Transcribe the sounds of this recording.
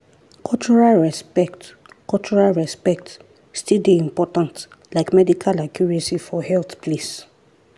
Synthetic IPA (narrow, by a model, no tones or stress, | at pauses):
kʰɔlt͡ʃɔɹalɹɛspɛkt | kɔlt͡ʃɔɹalɹɛspɛk̚t | stildeĩmpɔtãnt | laɪkmɛdikʰalakjuɹasifɔhɛlθpʰlis